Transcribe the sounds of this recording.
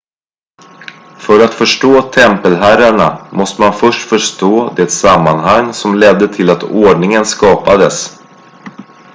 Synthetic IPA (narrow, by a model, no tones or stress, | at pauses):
fœɾat̪fœʂʈoːt̪ʰɛmpəlɦæɾaɳa̰mɔst̪əmanfœʂʈfœʂʈoːd̪ɛt̪samːanɦaŋːsɔmlɛd̪ːət̪ʰɪlat̪oːɖɳɪŋənskɑːpad̪əs